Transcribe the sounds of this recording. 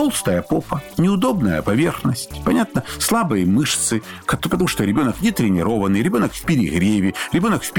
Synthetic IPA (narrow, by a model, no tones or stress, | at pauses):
t̪o̞lˠst̪əjəpopənʲɪʊd̪o̞bnəjə̰pɐvʲe̞rxnəsʲtʲpɐnʲat̪̚nəslˠabɨjəmɨʂt̪sɨ | kɐpət̪ɐmuʂt̪oɾʲɪbʲo̞nəknʲɪt̪ɾʲɪnʲɪɾo̞vənɨjɾʲɪbʲo̞nəkfpʲɪɾʲɪɣɾʲevʲɪɾʲɪbʲo̞nəkfpʲ